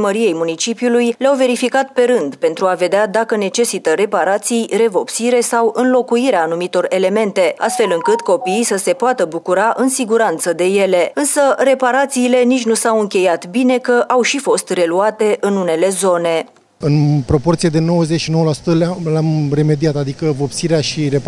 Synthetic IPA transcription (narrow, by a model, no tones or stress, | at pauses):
məɾije̞jmunit͡ʃipjulujleawve̞ɾifikat̪pe̞ɾɨnd̪pe̞nt̪ɾuave̞d̪ead̪akəne̞t͡ʃe̞sit̪əɾe̞paɾat̪sijre̞vo̞psiɾe̞sawɨnlo̞kuiɾeaːnumit̪o̞re̞le̞me̞nt̪e̞a̰st̪fe̞lɨŋkɨt̪ko̞piːsəse̞poat̪əbukuɾaʔɨnsiɡuɾant̪səd̪e̞je̞le̞ɨnsəre̞paɾat̪siːle̞nit͡ʃʲnusawɨŋkʲe̞jat̪bine̞kəʔawʃifo̞st̪re̞luat̪e̞ʔɨnune̞le̞zo̞ne̞ | ɨnpɾo̞po̞rt̪sijed̪e̞no̞wəzet͡ʃʃino̞wəlasu̥t̪əlamre̞me̞d̪iat̪ad̪ikəvo̞psiɾeaʃiɾep